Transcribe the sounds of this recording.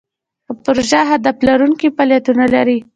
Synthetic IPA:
əpʊɾoʒaɦad̪aflaɾuŋkipaljat̪unala̰ɾi

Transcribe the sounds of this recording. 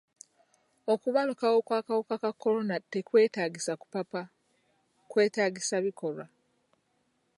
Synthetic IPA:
okuβalukawo̞kwaːkawokakakːo̞ɾo̞nate̞kwe̞ːtaːɟisaku̥papa | kwe̞ːtaːɟisaβiko̞ɾwa

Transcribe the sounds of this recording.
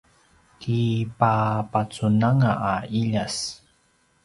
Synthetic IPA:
kipapat͡sunaŋaʔːiʎas

